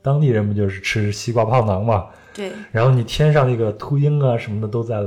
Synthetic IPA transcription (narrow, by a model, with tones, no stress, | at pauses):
t̪ɑ˥ŋt̪i˥˩ɻə˧˥nmə˧nt͡ɕjo˥˧ʊʂɻ̩˥˩ʈ͡ʂʰɻ̩˥ɕi˥kwa˥˧˩pʰɑ˥˩ʊnɑ˧˥ŋmɐ˧ | ɻa˧˥nxo˥˩ʊni˨˩t̪ʰjɛ˥nʂɑ˥˧ŋə˥˩ɡə˩t̪ʰu˥i˥ŋɐ˨ʂə˧˥nmə˧d̪ə˧t̪o˥ʊt͡sa˥˩ɪl